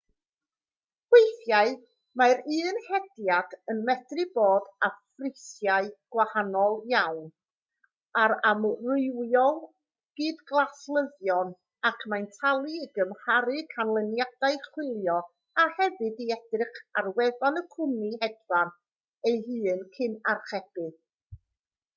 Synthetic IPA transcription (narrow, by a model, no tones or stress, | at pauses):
wejθjaɨ | maɾɨːnhɛdjadənmɛdrɨboːdafrɪsjaɨɡ̥wahanɔlˠjawn | aɾamrʊɨwjɔlˠ | ɡ̥iːdɡlˠaslˠəðjɔn | akʰmajntʰalˠiɡəmhaɾɨkʰanlˠənjad̥aɨχwɪlˠjɔ | ahɛvɨdiɛd̥rɨχarwɛðanəkʰʊmihɛdvan | ejɦɨːnkʰɨnarχɛb̥ɨ